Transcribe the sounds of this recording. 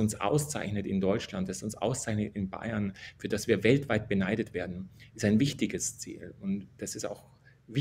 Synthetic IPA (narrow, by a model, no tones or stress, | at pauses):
ʊnsʔa̰ʊst͡sa̰ɪçnətɪndɔʏt͡ʃlantassʊnsʔa̰ʊst͡saɪçnətɪnba̰ɪɐnfyːɐd̥asv̥iːɐvɛltv̥aɪt̚b̥ənaɪdətv̥eːɐdn̩ɪstaɪnvɪçtɪɡəst͡sḭːlʊntd̥asɪsta̰ʊx | vɪ